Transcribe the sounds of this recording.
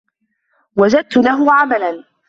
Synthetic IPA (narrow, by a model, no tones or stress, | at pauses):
wad͡ʒad̪̚t̪ʊlaɦʊʕamalan